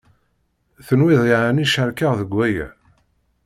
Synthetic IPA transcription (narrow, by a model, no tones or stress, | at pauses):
θənwɪðˤɪʕaniʃəɾkaʁðəɡʷːæjæ̰